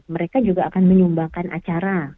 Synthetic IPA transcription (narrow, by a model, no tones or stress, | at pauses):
məɾekad͡ʒuɡaːkanməɲumbakanʔa̰t͡ʃaɾa